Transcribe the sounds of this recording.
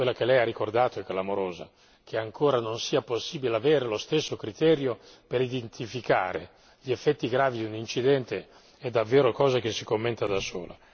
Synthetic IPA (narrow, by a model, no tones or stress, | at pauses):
kwelːak̟elɛjarːikord̪aːt̪oɛkːlamoɾoːza̰ | k̟eaŋkʰoːɾanonsiːaposːiːbileaveːɾelost̪esːokɾit̪ɛːɾjo | peɾid̪ent̪ʰifika̰ːɾe | ʎiefːɛt̪ːiɡɾaːvid̪iunint͡ʃid̪ɛnt̪e | ɛd̪ːavːeːɾokɔːzak̟esːikomːent̪ad̪aso̰ːla̰